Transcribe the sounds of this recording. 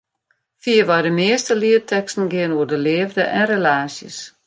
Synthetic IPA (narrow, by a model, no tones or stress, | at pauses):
fiəʋajdəmɪəstəliətʰɛkstn̩ɡɪənuərdəlɪːəvdəʔɛnrelaːsjə̰s